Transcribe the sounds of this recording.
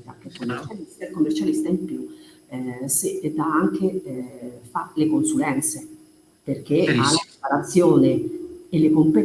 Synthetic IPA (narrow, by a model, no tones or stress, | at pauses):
t̪akːekːomːert͡ʃalist̪akːomːert͡ʃalist̪aimpju | sed̪aaŋk̟e | falekonsulɛnt̪se | perk̟ealapepaɾat̪sːjoːnielːekompe